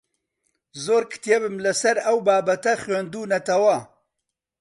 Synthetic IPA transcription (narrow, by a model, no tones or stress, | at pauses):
zoːɾkʰɨ̥t̪ijebɨmlɨsɐɾɐwbaːbɐt̪ɐxɥeːnd̪uːnɐt̪ɐwɐ